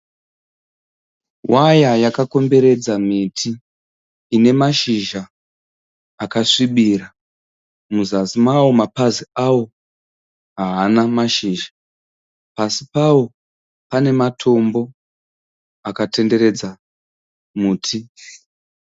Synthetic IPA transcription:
wajajakako̞mbe̞ɾe̞d͡zamitʰiː | ne̞maʃiʒa | kaʂiɓira | muzasimawo̞mapaziawo̞ | ɦaːnamaʃiːʒa | pasipawo̞ | pane̞matʰo̞mbo̞ | akate̞nde̞ɾe̞d͡za | muːtʰi

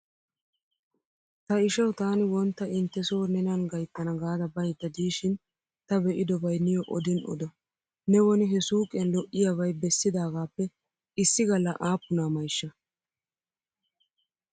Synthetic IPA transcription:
t̪ɐɪʃɐwt̪aːnɪwɔnt̪ːɐɪnt̪ːɛsoːnɛnɐnɡɐjt̪ːɐnɐɡaːd̪ɐbɐjd̪ːɐd̪iːʃɪn | t̪ɐbɛʔɪd̪ɔbɐjnːɪjɔʔɔ̰d̪ɪnʔɔ̰d̪ɐ | nɛwɔnɪɦɛsuːkʼɛnlɔʔːɪjɐβɐjbɛsːɪd̪aːɡaːpːɛ | ɪsːɪɡɐlːɐʔaːpːʊnaːmɐjʃːɐ

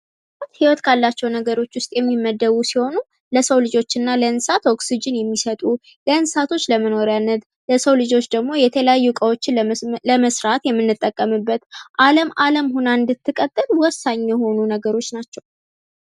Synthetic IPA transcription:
t̪hiwɔt̪kʰalːat͡ʃːɛwnəɡəɾo̞t͡ʃːwʊst̪ʼjɛmːimːəd̪ːəβusiho̞nu | ləsəwlɨd͡ʒo̞t͡ʃːɪnːaləɨnsat̪o̞ksid͡ʒɪnjɛmːisət̪ʼu | ləɨnsat̪ʰo̞t͡ʃːləməno̞ɾjanːət̪ | ləsəwlɨd͡ʒo̞t͡ʃːd̪əɡmo̞jɛt̪ʰələjajːukʼəwot͡ʃːɪləməsɾat̪jɛmːɨnːɨt̪ʼːəkʼːəmɨbːət̪ʔaləmaləmhunaɨnd̪ɨt̪ːɨkʼət̪ʼːɨlwɔsːaɲjɛho̞nunəɡəɾo̞t͡ʃːnat͡ʃːɛw

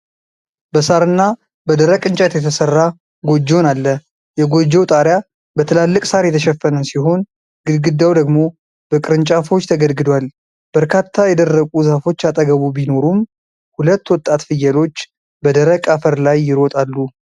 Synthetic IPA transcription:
bəsaɾɨnːa | bəd̪əɾəkʼɨnt͡ʃʼat̪jɛt̪ʰəsərːa | ɡo̞d͡ʒːonalːə | jɛɡo̞d͡ʒːɛwt̪ʼaɾja | bət̪ʰɨlalːɨkʼsaɾjɛt̪ʰəʃɛfːənəsiɦo̞n | ɡɨd̪ɡɨd̪ːawd̪əɡmo̞ | b̥əkʼɨɾɨnt͡ʃʼafo̞t͡ʃːt̪ʰəɡəlɡɨd̪wal | b̥əɾkʰat̪ʰːajɛd̪ərːəkʼuzafo̞t͡ʃːat̪ʼəɡəβubino̞ɾum | hulət̪ːwɔt̪ʼːat̪fɨjːɛlo̞t͡ʃː | bəd̪əɾəkʼafəɾlajːɪɾot̪ʼalːu

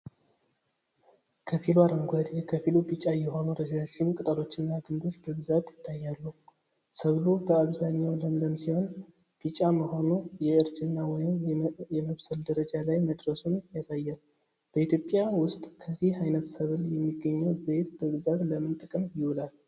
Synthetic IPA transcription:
kʰəfilwaɾəŋɡʷad̪kʰəfilubit͡ʃʼajɛho̞nuɾəd͡ʒaʃɪmkʼɨt̪ʼəlo̞t͡ʃːɪnːaɡɨnd̪o̞t͡ʃːbəbɨzat̪jɪt̪ʰːajːalːu | səβlubəaβzaɲːawləmləmsiho̞n | b̥it͡ʃʼaməho̞nujɛɨɾd͡ʒɨnːawɔjɪmjɛməβsəld̪əɾəd͡ʒalajməd̪ɾəsunjasajːal | b̥əit̪ʰjo̞pʼjawʊst̪ʼkʰəzːihhajnət̪səβɨljɛmːiɡːəɲːəwzet̪b̥əbɨzat̪ləmɨnt̪ʼəkʼəmjɪwulal

